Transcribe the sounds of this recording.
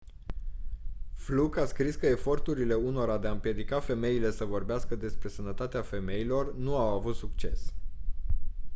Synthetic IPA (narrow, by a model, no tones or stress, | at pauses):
flukaskɾiskəe̞fo̞rt̪uɾile̞uno̞ɾad̪eaɨmpje̞d̪ikafe̞me̞ile̞səvo̞rbeaskəd̪e̞spɾe̞sənət̪at̪eafe̞me̞ilo̞rnuawavut̪suk̚t͡ʃe̞s